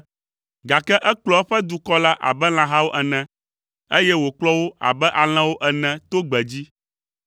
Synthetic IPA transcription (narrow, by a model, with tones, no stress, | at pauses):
ɡa˨kɛ˦ʔɛ˦k͡plɔ˨˦ɛ˦ɸɛ˦d̪u˨kɔ˦la˦ʔa̰˨bɛ˦l̃ã˨ɦa˦wo˦ʔɛ˨nɛ̃˨ | e˦jɛ˦wo˨k͡plɔ˦wo˦a̰˨bɛ˦ʔa˨l̃ɛ̃˦wo˦ʔɛ˨nɛ̃˨t̪o˦ɡ͡bɛ˨d͡ʑi˦